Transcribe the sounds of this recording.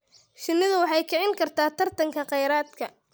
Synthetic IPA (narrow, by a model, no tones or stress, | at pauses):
ʃɪnːɪðʊwɑħɑjkʰɛʕɪŋkʰɐrt̪ʰaːt̪ʰɐrt̪ʰɐŋkʰɐqɛjɾaːd̪kʰɐ